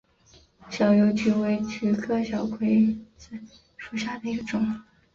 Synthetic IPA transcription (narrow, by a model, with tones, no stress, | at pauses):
ɕjɑ˨˩ʊjo˧˥ʊt͡ɕy˧˥we˧˥ɪt͡ɕʰy˧˥kʰɤ˥˩ɕjɑ˨˩ʊkʰwe˧˥ɪt͡sa˥˩ɪ | ʂu˨˩ɕja˥˩d̪ə˩i˧˥ɡə˧ʈ͡ʂʊ˨˩˦ŋ